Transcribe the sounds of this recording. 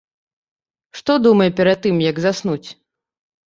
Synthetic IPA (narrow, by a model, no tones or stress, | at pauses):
ʂt̪ɔd̪umɐjɛpʲɛɾad̪̚ːɨmjɐɡzasnut͡sʲ